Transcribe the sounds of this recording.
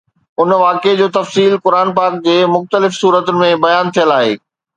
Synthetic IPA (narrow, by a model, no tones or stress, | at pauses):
ʊnʋaːked͡ʑoːt̪ɐfsiːlkʊɾaːnpaːk̚d͡ʑeːmʊxt̪əlɪfsuːɾət̪ʊnɪ̆mẽbɐjaːnt̪ʰijəlaːɦḛː